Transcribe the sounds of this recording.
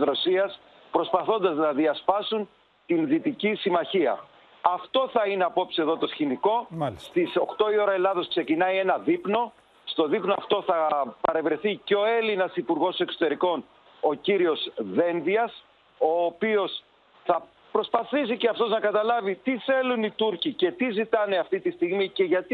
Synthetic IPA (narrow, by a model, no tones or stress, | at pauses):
sɾo̞siɐs | pɾo̞spɐθo̞nd̪ɐznɐðiɐspɐsun | t̪inðit̪icisimɐçiɐ̰ | ɐft̪o̞θɐine̞ɐpo̞psieðo̞t̪o̞sçiniko̞st̪iso̞xt̪o̞io̞ɾɐelɐðo̞skse̞cinɐie̞nɐðipno̞ | st̪o̞ðipnoɐft̪o̞θɐpɐɾe̞vɾe̞θiceo̞e̞linɐsipuɾɣo̞se̞kso̞̥t̪e̞ɾiko̞n | o̞ciɾio̞zðe̞nðiɐs | o̞ːpio̞s | θɐ | pɾo̞spɐθisiceɐft̪o̞znɐkɐt̪ɐlɐvit̪iθe̞lunit̪uɾcice̞t̪izit̪ɐne̞ɐft̪it̪ist̪iɣmice̞ʝɐt̪i